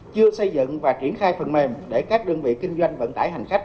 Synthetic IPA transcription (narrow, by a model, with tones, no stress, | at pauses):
t͡ɕɨ˧əsə˧jzɨ̰˧˨ŋvaː˨˩t͡ɕi˧˩ənxaː˧jfə˨˩nme˨˩mɗe˧˩kaː˦˥k̚ɗəː˧ŋvḭ˧˨kï˧ŋ̟zwa˧jŋ̟və̰˧˥nt̪aː˧˩jha˨˩jŋ̟xa˦˥k̟̚